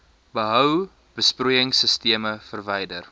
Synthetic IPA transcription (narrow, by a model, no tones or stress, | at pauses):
bəɦœw | b̥əsprujəŋsəstiəməfərvɛjdər